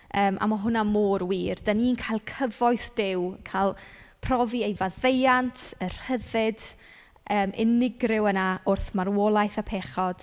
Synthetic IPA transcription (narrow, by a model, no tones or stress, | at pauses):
əːmʔa̰mɔɦʊnamoːrwiːrd̥aniːnkʰajlˠkʰəvɔjθd̥ɪwkʰalˠpʰrɔviejvaðejantʰər̥həðɪd | əːmʔɪ̰nɪɡrɪwənaʊrθmarwɔlˠajθapʰɛχɔd̥